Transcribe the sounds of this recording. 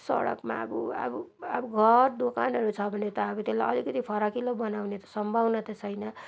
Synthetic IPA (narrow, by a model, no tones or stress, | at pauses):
sʌ̰ɽʌ̰kma̰buʌ̰buabuɡʱʌrd̪okanʌɾut͡sʰʌbʱʌnet̪ʌːbut̪ela̰jʌlikʌt̪ipʰʌɾakilobʌnawnet̪ʌ̥sʌmbʱawnʌt̪esʰʌjnʌ